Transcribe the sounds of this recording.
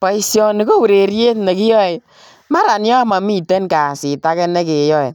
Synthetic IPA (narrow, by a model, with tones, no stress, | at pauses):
pɔ˨˦i˦sjɔ˨ni˦ko˦wu˨ɾe˨ɾje˦tne˨ki˦jɔ˦e˨ | ma˦ɾa˨njɔ˦ma˨mi˦˨te˦nka˨si˨ta˦kɛ˦ne˦ke˨jɔ˦e˨